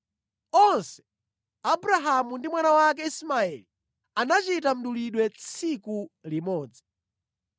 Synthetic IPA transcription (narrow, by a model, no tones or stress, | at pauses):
ɔnsɛ̥ | abuɾaɦamundimwanawak̬ɛismaɛli | anat͡ʃitam̩ɗuliɗwɛt͡sʰikulimɔːd͡za